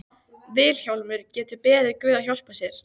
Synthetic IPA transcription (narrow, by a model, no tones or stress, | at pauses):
vɪːlçawlmʏɾ̥cɛːt̪ʏpɛːðɪɾkʏːðaçowl̥pasjɛɾ̥